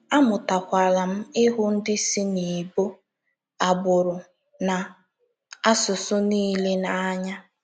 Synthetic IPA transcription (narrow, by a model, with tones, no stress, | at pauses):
a˦mʊ˨ta˨kʷa˨la˨m̩˦ɪ˦ɦʊ˦n̩˦dɪ˦si˦ni˨bo˦ | a˨bʊ˨ɾʊ˨ | na˨ | a˦sʊ˨sʊ˦niː˦le˦na˨a˦ɲa˦